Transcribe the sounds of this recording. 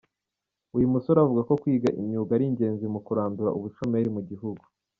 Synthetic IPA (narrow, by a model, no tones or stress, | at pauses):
ujumusoɾavuɡako̞kwiːɡaʔimɲuːɡaɾiɲɟe̞ːnzimukuɾaːnduɾa̰ʔuβut͡ʃomeɾimuɟiɦuɡu̥